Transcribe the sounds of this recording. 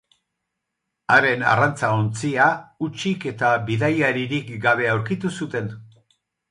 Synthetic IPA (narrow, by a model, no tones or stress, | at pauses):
aɾe̞na̰rant͡saont͡siaut͡ʃike̞t̪aβiðajaɾiɾikɡaβ̞e̞awɾkit̪usut̪e̞n